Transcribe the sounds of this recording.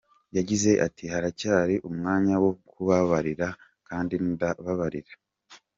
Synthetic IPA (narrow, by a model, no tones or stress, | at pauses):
jaɟize̞ʔatʰihaɾacaːɾiʔumŋaːɲawokuβaβaɾiɾa | kaːndindaβaβaɾiɾa